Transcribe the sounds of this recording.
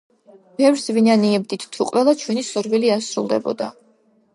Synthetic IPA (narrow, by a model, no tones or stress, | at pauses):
b̥ɛvɾsvinaniɛbd̪it̪ʰt̪ʰːuqʼwɛlˠat͡ʃʰwɛnisɔɾviliasɾulˠd̪ɛ̰bɔ̰d̪a̰